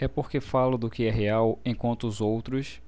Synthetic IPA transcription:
ɛpoɾkefalʊd̪ʊkɪɛɦeawẽj̃kwɐ̃nt̪ʊːzowt̪ɾʊs

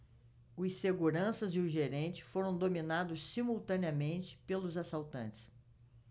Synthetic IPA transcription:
ʊseɡuɾɐ̃sɐzɪʊʒeɾẽnt͡ʃɪ̥sfoɾɐ̃w̃d̪ominad̪ʊsːimuwt̪ɐ̃niɐmẽnt͡ʃɪ̥pelʊzasawt̪ɐ̰̃nt͡ʃɪ̥s

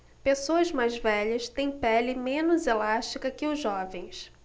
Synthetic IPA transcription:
pesoɐzmajzvɛʎɐst̪ẽj̃pɛlɪmẽnʊzelaʃt͡ʃikɐkɪʊzɔvẽj̃s

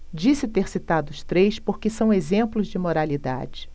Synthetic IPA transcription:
d͡ʒisɪt̪eɾsit̪ad̪ʊʊst̪ɾejspoɾkɪsɐ̃w̃ezẽmplʊzd͡ʒɪmoɾalid̪a̰d͡ʒɪ̥

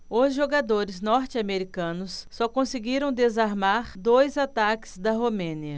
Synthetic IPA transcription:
ʊzʒoɡad̪oɾɪznɔɾt͡ʃɪameɾikɐ̃nʊsːɔkõsɪɡiɾɐ̃w̃d̪ezaɾmaɾd̪ojzat̪akɪ̥zd̪ɐɦomẽniɐ

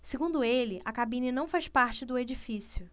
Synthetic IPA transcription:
seɡũnd̪ʊelɪʔɐkabĩnɪnɐ̃w̃fajspaɾt͡ʃɪd̪ʊed͡ʒifisjʊ

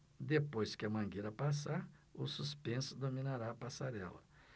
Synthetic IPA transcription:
d̪epojskɪɐmɐ̃ŋɡejɾɐpasaɾʊsuspẽsʊd̪omĩnaɾaɐpasaɾɛ̰lɐ

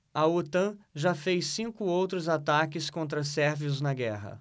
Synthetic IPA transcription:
ɐot̪ɐ̃ʒafejsĩkʊowt̪ɾʊzat̪akɪskõnt̪̬ɾɐsɛɾviʊznɐɡɛɦɐ̰

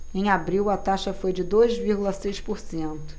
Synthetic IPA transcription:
ẽj̃abɾiwɐt̪aʃɐfojd͡ʒɪd̪ojzviɾɡulɐsejʃpoɾsẽnt̪ʊ̥

